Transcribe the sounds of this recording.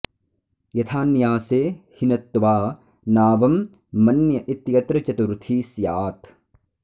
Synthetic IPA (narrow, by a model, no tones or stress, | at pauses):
jɐt̪ʰaːnjaːseːhinɐt̪ːʋaː | naːʋɐmː | ɐnjɐʔit̪jɐt̪ɾɐt͡ʃɐt̪uɾt̪ʰiːsjaːt̪ʰ